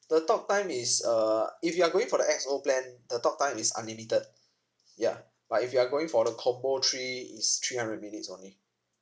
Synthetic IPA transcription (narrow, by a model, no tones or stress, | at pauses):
d̥ətɔk̚tãɪ̃misʌifjuaɡoɪ̃ŋfɔɾəʔɛk̚soplɛ̃ndətɔk̚tãɪ̃misã̰nlimitəd̚ | ja̰ | b̥atifjuaɡoɪ̃ŋfɔdəkʰɔmbotʰɹiḭstʰɹiːhãndɹəd̚minitsõ̰nli